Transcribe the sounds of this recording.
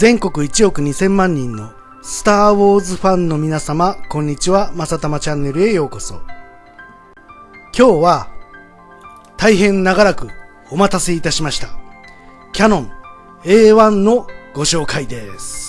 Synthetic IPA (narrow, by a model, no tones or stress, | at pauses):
zẽ̞ŋko̞kɯ̟it͡ɕio̞kɯ̟ɲ̟isẽ̞mːãɲ̟ːĩnːo̞ | sɨ̥t̪aːβo̞ːzɨɸãnno̞mʲinasamakõ̞ɲ̟ːit͡ɕiβamasat̪amat͡ɕãnːe̞ɾɯ̟e̞jo̞ːko̞so̞ | kʲo̞ːβa | t̪aiɦẽ̞nnaɡaɾakɯ̟ | o̞mat̪ase̞it̪aɕimaɕi̥t̪a | kʲanõ̞ŋ | e̞ːβãnːo̞ɡ̥o̞ɕo̞ːkaid̪e̞sɨ̥